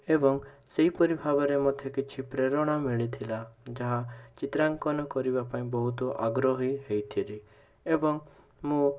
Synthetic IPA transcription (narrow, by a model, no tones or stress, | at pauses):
ebɔŋseipɔɾibʱabɔɾemɔd̪ʱjekit͡ʃʰipɾeɾɔɽ̃amiɭit̪ʰilad͡ʒaɦat͡ʃit̪ɾaŋkɔnɔkɔɾiβapaĩbɔɦut̪ɔʔaɡɾɔɦiɦejt̪ʰiɾi | ebɔŋ | mu